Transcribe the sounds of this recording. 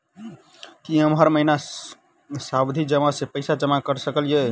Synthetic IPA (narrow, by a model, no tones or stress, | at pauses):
kiəmɦəɾməɦina | sabd̪ʱid͡ʒəmasepəɪsad͡ʒəmakəɾsəkəlje